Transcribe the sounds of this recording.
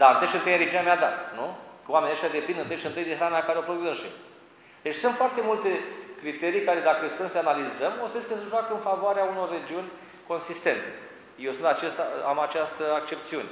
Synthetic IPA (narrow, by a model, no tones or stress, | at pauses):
d̪aɨnt̪əʃɨnt̪əjaɾed͡ʒinamead̪at̪nukəwamenʲaʃʲjad̪e̞pind̪ɨnt̪əʃiɨnt̪ɨjd̪iɦɾanakaɾeopɾovizɨnʃḭ | d̪̥e̞t͡ʃʲsunt̪foart̪e̞mult̪e̞kɾit̪e̞ɾijkaɾe̞d̪akəest̪əmsəeanalizəmosəeskəsəʒwakəɨnfavoaɾeauno̞rːe̞d͡ʒiunʲ | ko̞nsist̪e̞nt̪e | jewsɨnt̪at͡ʃest̪aamat͡ʃast̪əak̚t͡ʃe̞p̚t̪siunʲe